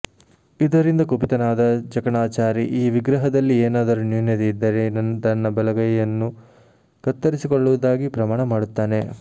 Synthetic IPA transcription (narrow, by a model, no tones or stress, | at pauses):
id̪ɐɾind̪ɐkobit̪ɐnaːd̪ɐd͡ʒɐkɐɳaːt͡ʃaːɾiʔiːʋiɡɾɐɦɐd̪ɐlːieːnaːd̪ɐɾunjuːnjɐt̪eid̪ːɐɾenɐnt̪ɐnːɐbɛlɐɡɐjɐjɐnːu | kɐt̪ːɐɾisikoɭːuʋud̪aːɡipɾɐmaːɳɐmaːɽut̪ːaːne̞